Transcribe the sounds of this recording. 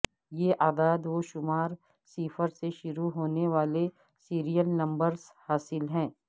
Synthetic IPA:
jeʔaːd̪aːd̪ʋoʃʊmaːɾ | siːfəɾseʃʊɾuɦoːneʋaːle | siːɾijəlnɐ̃mbəɾzhaːsɪlɦɛ̃ː

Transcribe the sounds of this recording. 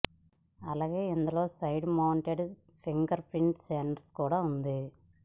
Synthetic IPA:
ɐlaːɡe̞ːind̪ulo̞ːsɐjɖmɐwɳʈeɖ | pʰiŋkɐɾpɾiɳʈseɳɖskuːɽaːund̪i

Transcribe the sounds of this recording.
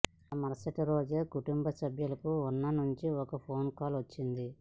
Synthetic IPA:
mɐɾsɐʈɐɾoːd͡ʒɐkuʈumbɐsɐbʱjulɐkuunːɐnuɲt͡ʃiɔkɐpʰoːnkaːlʋɐt͡ʃːind̪i

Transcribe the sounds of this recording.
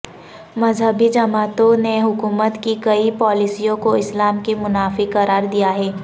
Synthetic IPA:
mɐzɦəbid͡ʒɐmaːt̪õneɦʊkuːmət̪kikɐipɔːlisijõkoɪslaːmkemʊnaːfiqɐɾaːɾd̪ijaɦɛː

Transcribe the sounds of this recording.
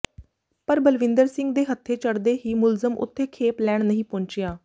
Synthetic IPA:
pəɾbəlʋɪ̃nd̪əɾsɪ̃ŋɡ̚d̪eːɦət̪ʰːeːt͡ʃəɽd̪eːɦiːmʊlzəmʔʊ̰t̪ʰːeːkʰeːplɛːɽ̃nəɦĩːpɔ̃ːɲt͡ʃɪjaː

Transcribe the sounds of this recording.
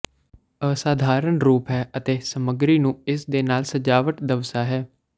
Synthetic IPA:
əsaːd̪ʱaːɾənɾuːpɦɛːʔət̪eːsəməɡɾiːnũːɪsd̪eːnaːlsəd͡ʒaːʋəʈd̪əʋsaːɦɛː

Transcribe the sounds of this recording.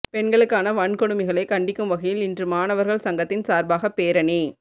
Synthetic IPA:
pɛɳɡɐɭɯkːaːnɐʋɐɳkɔɽɯmɐɪɣɐɭɐɪkɐɳɖɪkːɯmʋɐɣɐjɪlɪndrɯmaːnɐʋɐɾɣɐɭsɐŋɡɐt̪ːɪnsaːɾbaːɣɐpːeːɾɐni

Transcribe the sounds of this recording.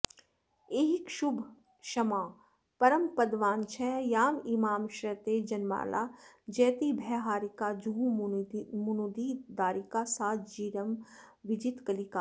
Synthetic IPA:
eːɦɪkʃʊbʱ | ʃɐmaː | pɐɾəmpɐd̪ʋaːnt͡ʃʰɛːjaːmimaːmʃɾɐt̪ed͡ʒɐnma̰ːlʔa̰ːd͡ʒɛːt̪ibʱɛːɦaːɾikad͡ʒuɦũ | mʊnud̪id̪aːɾikasaːt̪ʰd͡ʒiːɾəm | ʋɪd͡ʒit̪kɐlikaː

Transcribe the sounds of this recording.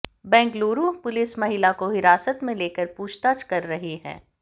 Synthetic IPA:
bɛ̃ːŋkɡloːɾuːɦpʊlɪsmɐɦɪlakoɦɪɾaːsət̪mẽleːkəɾpuːt͡ʃt̪aːt͡ʃkɐɾːɐɦiɦɛ̰̃ː

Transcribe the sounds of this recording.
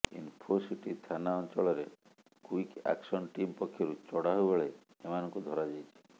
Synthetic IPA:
ḭnpʰosiʈit̪ʰanaɔnt͡ʃɔɭɔɾe | kuika̰ksɔnʈimpɔkʰːjɔɾut͡ʃɔɽaɦojbɔɭe | emanɔŋkud̪ʱɔɾad͡ʒajt͡ʃʰi̥

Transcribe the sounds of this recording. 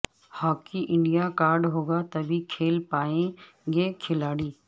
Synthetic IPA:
haːkiʔɪ̃ɳɖijakaːɾɖɦoːɡat̪ɐbʱikʰeːlpaːẽ | ɡekʰɪlaːɽiː

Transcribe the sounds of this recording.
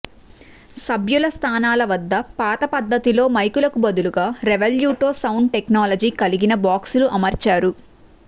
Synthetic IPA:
sɐbjulɐst̪ʰaːnaːlɐʋɐd̪ːɐpaːt̪ɐpɐd̪ːɐt̪ilo̞ːmɐjkulɐkubɐd̪uluɡaːɾeʋɐljuːʈo̞ːsɐwɳɖ̚ʈeknaːlɐd͡ʒiːkɐliɡinɐbaːksuluʔɐmɐɾt͡ʃaːɾu

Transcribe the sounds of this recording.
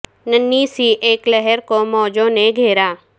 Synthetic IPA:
nənːisiʔeːklɛɦɛɾkomɔːd͡ʒõneɡʱeːɾaː

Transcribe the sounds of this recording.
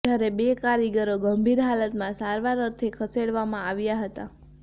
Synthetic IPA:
d͡ʒjaɾebekaɾiɡəɾoɡəmbʱiɾɦalət̪mãsaɾʋaɾəɾt̪ʰikʰəseɽʋamãaʋjaɦət̪a

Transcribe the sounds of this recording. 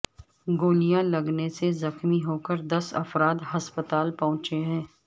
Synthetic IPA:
ɡoːlijãlɐɡnesezɐxmiɦoːkəɾd̪ɐsɐ̰fɾaːd̪ɦɐspət̪aːlpɐɦʊ̃t͡ʃeɦɛ̃ː

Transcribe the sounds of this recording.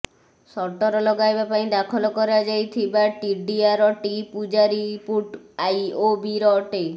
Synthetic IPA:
sɔʈɔɾɔlɔɡajbapaĩd̪akʰɔlɔkɔɾad͡ʒajt̪ʰibaʈiɖiaɾɔʈipud͡ʒaɾipuʈ | ajobiɾɔʈe

